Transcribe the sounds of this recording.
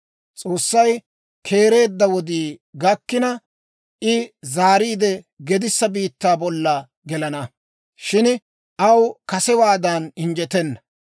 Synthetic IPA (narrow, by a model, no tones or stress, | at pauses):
t͡sʼo̞ːsːɐj | kʰe̞ːɾe̞ːd̪ːɐwɔd̪iːɡɐkːɪnɐ | ʔɪzaːɾiːd̪ɛ | ɡɛd̪ɪsːɐbiːt̪ːaːbɔlːɐ | ɡɛlɐnɐ | ʃɪn | ʔɐwkɐsɛwaːd̪anɪnd͡ʒɛt̪ɛnːɐ̥